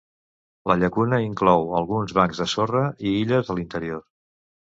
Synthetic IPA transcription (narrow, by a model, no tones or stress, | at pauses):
ləʎəkunəiŋklɔwəlˠɣunzβaŋzðəsorəʔiiʎəzðəlint̪əɾior